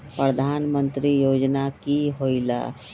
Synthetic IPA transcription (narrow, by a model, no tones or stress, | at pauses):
pɾəd̪ʱaːnmə̃nt̪ɾijoːd͡ʒnakiɦoila̰ː